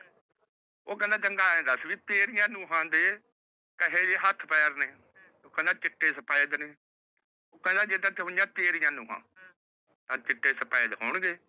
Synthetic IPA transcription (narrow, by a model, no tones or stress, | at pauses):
oːkə̃nd̪ãːdəŋɡaːẽːd̪əsʋiːt̪eːɾɪjãːnũːɦãːd̪eː | kəɦeːd͡ʒeːɦət̪ʰpɛːɾneː | oːkə̃nd̪ãːt͡ʃɪʈːeːsəpaːed̪neː | oːkə̃nd̪ãːd͡ʒed̪ãt̪ʰeːɦʊjãːt̪eːɾɪjãːnũːɦã̰ː | t̪ãːt͡ʃɪʈːeːsəpaːeːd̪ɦoːɳɡeː